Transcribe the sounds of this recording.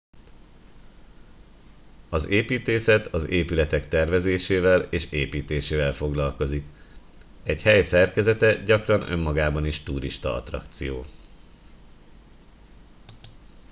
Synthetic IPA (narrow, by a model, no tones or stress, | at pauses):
ɒzeːpiːt̪eːsɛt̪ʰɒzeːpylɛt̪ɛkt̪ɛrvɛzeːʃeːvɛleːʃeːpiːt̪eːʃeːvɛlfo̞ɡlɒlko̞zik | ɛɟhɛjsɛrkɛzɛt̪ɛɟɒkrɒnø̞̰mːɒɡaːbɒniʃt̪uːɾḭʃt̪ɒɒ̰t̪rɒ̰kt̪sijoː